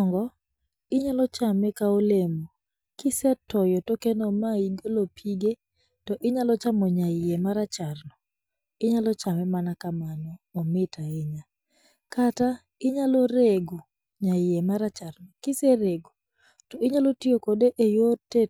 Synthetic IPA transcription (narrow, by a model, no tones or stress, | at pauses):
ŋɡɔ | ɪɲalɔt͡ʃamɛkaolemo | kɪsɛtɔjɔtokenɔmaiɡolopʰiɡe | tɔʔɪɲalɔt͡ʃamɔɲaɪemaɾat͡ʃarnɔ | ɪɲalɔt͡ʃamɛmanakamanɔːmɪtaɪɲa | kata | ɪɲaloɾeɡo | ɲaɪemaɾat͡ʃaɾnɔkɪseɾeɡo | tɔʔɪɲalɔtiokodeʔejote